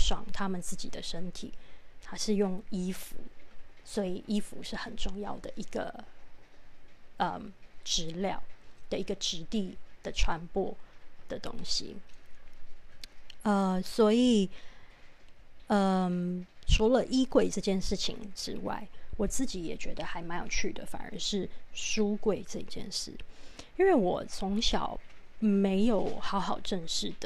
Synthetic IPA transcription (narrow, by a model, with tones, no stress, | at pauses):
ʂwɑ˨˩ŋt̪ʰa˥mə˨nt͡sɹ̩˥˩t͡ɕḭ˨˩d̪ə˦ʂə˥nt̪ʰḭ˨˩˦t̪ʰa˥ʂɻ̩˥˧jʊ˥˩ŋi˥fu˨˥˦swɔ˧˥i˨˩ʔi˦˥fṵ˧˥ʂɻ̩˥˩xə˨˩nʈ͡ʂʊ˥˧ŋjɑ˥˩ʊd̪ə˩ʔi˧˥ɡ̥ə̰˧ | ə̰˨˩mʈ͡ʂɻ̩˧˥ljɑ̰˥˩ʊd̪̥ə˨i˧˥ɡə˨ʈ͡ʂɻ̩˧˥t̪i˥˩d̪̥ə˩ʈ͡ʂʰwa˧˥npwɔ˥˩d̪̥ə˨˩t̪ʊ̰˥ŋɕḭ˨ | ə˧swɔ˧˥i˨˩ | ə˧ | ʈ͡ʂʰu˧˥lə˨ʔi˥kwe˥˧ɪʈ͡ʂɤ˥˧t͡ɕjɛ˥˧nʂɻ̩˥˩t͡ɕʰḭ˨˩ŋʈ͡ʂɻ̩˥wa̰˥˩ɪwɔ˨˩t͡sɹ̩˥˩t͡ɕi˧˥jɛ̰˨˩t͡ɕɥɛ˧˥d̪ə˧xa˧˥ɪma˧˥jo˨˩ʊt͡ɕʰy˥˩d̪ə̰˩fa̰˨˩nə̰˧˥ʂɻ̩˥˩ʂu˥kwe˥˧ɪʈ͡ʂɤ˥˧ḭ˧˩t͡ɕjɛ̰˥˧nʂɻ̩˥˩ | i˥nwe˥˩ɪwɔ˨˩t͡sʰʊ˧˥ŋɕjɑ˨˩ʊ | me˧˥ɪjo˨˩ʊxɑ˧˥ʊxɑ˨˩ʊʈ͡ʂə˥˧ŋʂɻ̩˥˩d̪ə˩